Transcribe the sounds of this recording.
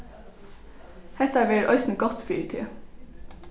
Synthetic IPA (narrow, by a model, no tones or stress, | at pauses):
hɛt̪æʋɪɾʔœʏsn̩ɡɔt̪fiːʈʰḭː